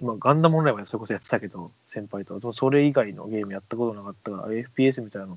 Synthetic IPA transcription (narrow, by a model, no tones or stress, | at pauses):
imaɡãnd̪amõnɾaimaso̞ɾeko̞so̞jat͡sɨ̥t̪ake̞d̪o̞ | sẽ̞mpait̪o̞kːad̪emso̞ɾe̞iɡaino̰ɡe̞ːmɯ̟jat̪ːako̞t̪onakat̪ːaɡa̰eɸɯ̟̥pʲiːes̬ɨmʲit̪ainano